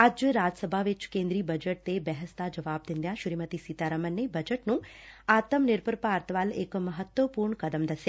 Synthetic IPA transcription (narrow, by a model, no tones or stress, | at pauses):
ad͡ʒjəɾad͡ʒəsəbʱaʋɪt͡ʃkẽnd̪ɾiːbəd͡ʒəʈ̚t̪ebɛɦəst̪ad͡ʒəʋab̚d̪ɪnd̪jaʃɾimət̪isit̪aɾəmənːebəd͡ʒəʈnũat̪əmnɪɾpəɾpaːɾt̪ʋaːlekməɦət̪ʋəpuːɾɳkəd̪əmd̪əsja